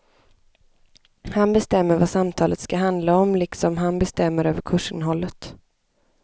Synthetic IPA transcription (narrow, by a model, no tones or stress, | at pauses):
hanbɛst̪ɛmːəɾvasamt̪ʰɑːlət̪skaɦand̪laɔmlɪksɔmɦanbɛst̪ɛmːəɾøːvəɾkʰɵʂɪnɦɔlːət̪